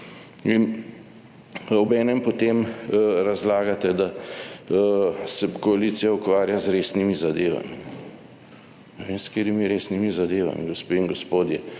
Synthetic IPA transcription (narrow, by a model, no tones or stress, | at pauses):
in | ɔbɛːnɛmpɔt̪emɾazlaːɡat̪ɛd̪a | sɛkɔalit̪sijaukʋaːɾjazɾeːsnimizad̪eːʋa̰miɛ | nɛʋemskeːɾimiɾeːsnimizad̪eːʋa̰mḭɡospeiŋɡospoːd̪jɛ